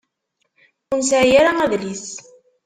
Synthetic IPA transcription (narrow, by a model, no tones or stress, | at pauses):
unsʕjaɾaæðlis